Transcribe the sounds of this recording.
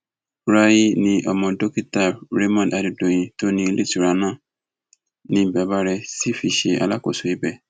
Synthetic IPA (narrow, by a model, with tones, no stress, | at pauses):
ɾa˧ji˦nĩ˧ʔɔ˧mɔ̃˧do˦ki˦ta˦˨ɾe˦mɔ̃˦˨da˨du˨dõ˨j̃ĩ˧to˦nĩ˧i˧le˦˨ti˨ɾa˧nãː˦˨ | nĩ˧˦i˨bɛ˨˦ba˦ɾɛ˧si˦fi˧ʃe˧a̰˧la˦ko˨so˨i˦bɛ˦˨